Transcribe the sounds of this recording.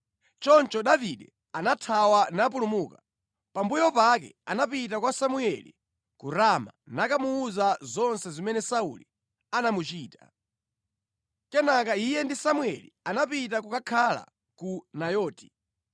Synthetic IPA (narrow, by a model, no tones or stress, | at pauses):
t͡ʃɔnt͡ʃɔɗaviɗɛ | anatʰawanap̬ulumuːka | pambujɔpakɛ̰anapit̬akwasamuɛlḭ | kuɾamanakamuuzazɔnsɛzimɛnɛsaulḭ | anamut͡ʃiːta | kɛnak̬aijɛndisamuɛlḭanapit̬ak̬ukakʰala̰ | kunajɔːti̥